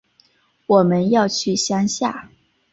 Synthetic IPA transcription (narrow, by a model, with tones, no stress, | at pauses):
wɔ˨˩mə˦njɑ˥˧ʊt͡ɕʰy˥˩ɕjɑ˥ŋɕja̰˥˩